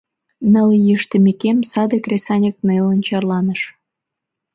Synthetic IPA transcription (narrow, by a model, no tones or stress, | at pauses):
nəljəʃt̪əmekemsɑd̪ekrʲesɑnʲək̚nelənt͡ɕɑrlɑnəʃ